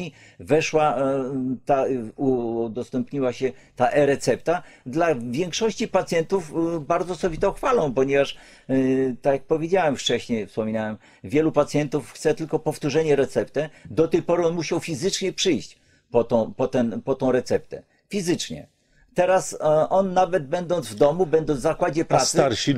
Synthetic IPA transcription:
i | vɛʂwa | t̪aud̪ɔst̪ɛmpɲiwaɕɛt̪aʔɛɾɛt̪sɛp̚t̪ad̪lavʲjeŋkʂɔɕt͡ɕipat̪sʲjɛnt̪ufbaɾd̪zɔːsɔbʲit̪ɔxfalɔ̃w̃pɔɲɛvaʂ | t̪akjak̚pɔvʲjed͡ʑawɛmft͡ʂɛɕɲejfspɔmʲinawɛm | vʲjɛlupat̪sʲjɛnt̪ufxt̪sɛt̪ɘlkɔpɔft̪uʐɛɲɛɾɛt̪sɛpt̪ɛd̪ɔt̪ɛjpɔɾɨɔnmuɕawfʲizɘt͡ʂɲɛpʂɘjɕt͡ɕ | pɔt̪ɔ̃pɔt̪ɛnpɔt̪ɔ̃w̃ɾɛt̪sɛp̚t̪ɛ̰ | fʲizɘt͡ʂɲɛ̰ | t̪ɛɾasʔɔnːavɛd̪̚bɛnd̪ɔnd̪zvd̪ɔmubɛnd̪ɔnzzakwad͡ʑɛpɾasaɾɕi

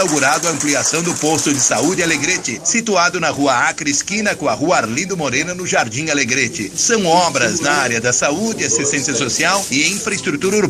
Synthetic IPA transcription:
awɡuɾad̪ʊɐɐ̃mpliasɐ̃w̃d̪ʊpost̪ʊd͡ʒɪsaud͡ʒɪaleɡɾet͡ʃɪsit̪uad̪ʊnɐʁuɐakɾiskĩnɐkõɐhuɐaɾlĩnd̪ʊmoɾẽnɐnʊʒaɾd͡ʒĩaleɡɾet͡ʃɪ̰sɐ̃w̃ɔbɾɐznɐaɾiɐd̪ɐsaud͡ʒɪɐsist̪ẽsiɐsosiawɪĩfɾɐɪst̪ɾut̪uɾɐuɾb

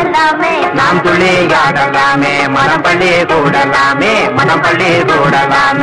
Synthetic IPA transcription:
naːmt̪ʊɭːijaːɽɐlaːmeːmɐnɐmpɐɭːiekuːɽɐlaːmeːmɐnɐmpɐɭːiekuːɽɐlaːm

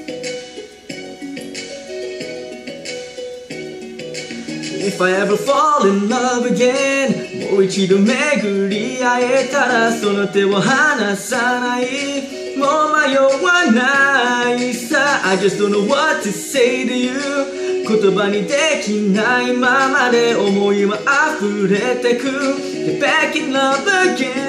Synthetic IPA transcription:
ɪfaɪɛvə˞fɔlˠɪ̃nlʌvɨɡɛnwowit͡ʃʰiɾomɛɡɨɾiaɛtʰaɾasõʊnotewoɦanasanai | momajowənaisaa̰ɪd͡ʒʌsd̥õʊ̃nːoʊwʌtʰɨseɪɾɨju | kʰotobanidɛkʰinaimamaɾɛɔmojimaʔafuɾɛtakʰu | tɨb̥ækɨ̃nlʌvəɡɛ

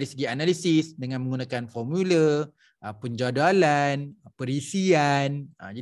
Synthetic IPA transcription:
ɾisəɡianalisisdəŋãnmə̃ŋɡunãkanfɔrmulə | əpəɲd͡ʒadalanpəɾisianə̰d͡ʒa

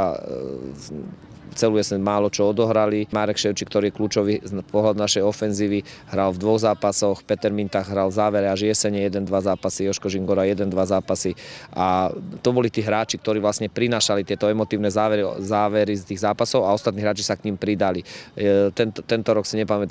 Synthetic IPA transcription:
t͡sɛlujɛsɛnmaːlɔt͡ʃɔɔd̪ɔɦɾalimaːɾɛkʃɛʊt͡ʃikt̪ɔɾiːjɛkluːt͡ʃɔʋipɔɦlad̪unaʃɛjɔfɛnziːʋiɦɾalvd̪ʋɔɣzaːpasɔxpɛt̪ɛɾmint̪aɣɦɾalzaːʋɛɾɛaʒɪɛsɛɲɛjɛd̪ɛnd̪ʋazaːpasijɔʃkɔʒiŋɡɔɾajɛd̪ɛnd̪ʋazaːpasiʔat̪ɔbɔlit̪iːɦɾaːt͡ʃik̚t̪ɔɾiːʋlasɲɛpɾinaːʃalit̪ɪɛt̪ɔɛmɔt̪iːʊnɛzaːʋɛɾzaːʋɛɾist̪iːɣzaːpasɔʊaɔst̪at̪niːɦɾaːt͡ʃisakɲimpɾid̪alit̪ɛnt̪t̪ɛnt̪ɔɾɔksiɲɛpamɛt̪

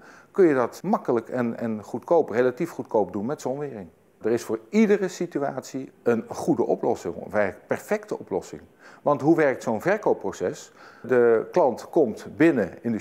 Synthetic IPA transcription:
kɵnjədɑtmɑkələkɛnɛ̰nχutkowprejlatifχutkowp̚dunmɛtsɔnʋɪːrɪŋ | dərɪsfʊːɹidərəsityaːtsiənχudəʔɔ̰plɔsɪ̰ŋ̰ɛpɛɹfɛktəɔplɔsɪ̰ŋ | ʋɑntɦuʋɛɹk̚tsownvɛɹkowpːrosɛsdəklɑntkɔmtbɪnəɪnd

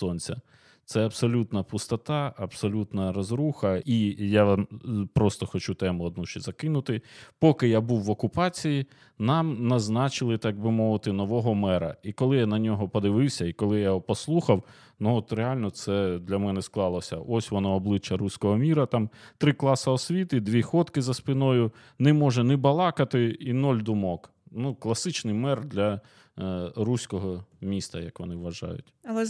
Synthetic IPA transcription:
sɔnʲt͡sʲɐ̰ | t̪sɛɐbsɔlʲut̪nɐpʊst̪ɐt̪ɑɐbsɔlʲut̪nɐɾɔzɾuxɐijapɾɔst̪ɔxɔt͡ʃut̪ɛmʊɔd̪̚nuʃt͡ʃɛzɐkɪnʊt̪ɪpɔkɪjabuwːɔkʊpɑt͡sʲiji | nɑmnɐznɑt͡ʃɪlˠɪt̪ɡ̚bɪmɔʋɪt̪ɪnɔʋɔɦɔmɛɾɐ̰ikɔlˠɪjanɐnʲɔɦɔpɔd̪ɪʋɪwsʲɐikɔlˠɪjaɔpɔslˠuxɐw | nuɔt̪ɾeɑlʲnɔt̪sɛd̪lʲɐmɛnɛsklˠɑlˠɔsʲɐ̰ʔɔsʲʋɔnɔɔblˠɪt͡ʃːɐɾusʲkɔɦɔmʲiɾɐt̪ɑmt̪ɾɪklˠɑsɐɔsʲʋʲit̪ɪd̪ʲʋʲixɔt̪kɪzɐspʲinɔjʊ | nɛmɔʒɛnɪbɐlˠɑkɐt̪ɪinɔlʲd̪ʊmɔk | nuklˠɐsɪt͡ʃnɪjmɛrd̪lʲɐ | ɾusʲkɔɦɔmʲist̪ɐjɐkʋɔnɪʋʋɐʒɑ̰jʊ̰tʲɐɛ

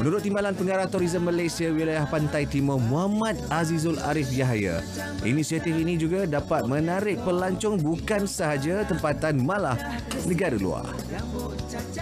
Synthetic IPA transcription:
mənuɾʊt̪ːimbalanpəŋaɾaht̪ɔɾizəmːalajsiawilajahpant̪ajt̪imɔmũamãt̪̚azizʊla̰ɾɪfjaɦaja̰ | ʔḭnisiat̪ifinĩd͡ʒuɡadapat̪̚mə̃naɾɪk̚pərlaɲt͡ʃɔŋbukansəɦad͡ʒat̪əmpat̪anmãlah | nə̃ɡaɾəlṵa̰r

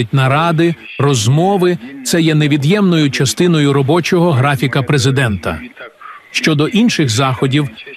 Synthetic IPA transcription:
ɪtʲnɐɾɑd̪ɪ | rɔzmɔʋɪt̪sɛjɛneʋʲid̪jɛmnɔjʊt͡ʃɐst̪ɪnɔjʊɾɔbɔt͡ʃɔɦɔɦɾɑfʲikɐpɾezɪd̪ɛnt̪ɐ̰ | ʃt͡ʃɔd̪ɔʔinʃɪɣzɑxɔdʲiw

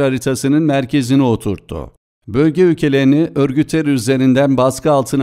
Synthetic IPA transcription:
aɾit̪ʰasɯnɯnmæɾcʰe̞zinio̞t̪ʰuɾt̪ʰːṵ | bø̞lʲɟɛycʰe̞lʲeɾiniʔøɾɟyt̪ʰːeɾyze̞ɾind̪ænbaskʰɯalˠt̪ʰɯn

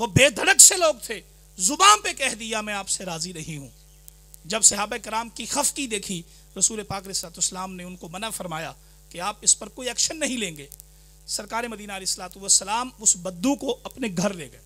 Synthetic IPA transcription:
ʋobeːd̪ʱɐɽəkseloːɡ̚t̪ʰeː | zʊbaːmpekɛɦd̪ijamɛ̃aːpseɾaːzinɐɦĩɦũː | d͡ʒɐbsɐɦaːbaeɪkɪɾaːmkixɐfkid̪eːkʰi | ɾɐsuːlepaːkɐleːɪsəlaːt̪usːəlaːmneʊnkomɐnafɐɾmaːja | keaːpɪspɐɾkoːiɛːkʃənːɐɦĩlẽːŋɡeː | sɐɾkaːɾemɐd̪iːnaɐleːɪsːɐlaːt̪uʋəsːəlaːmʊsbɐd̪ːukoʔɐpneɡʱɐɾlḛːɡɐeː

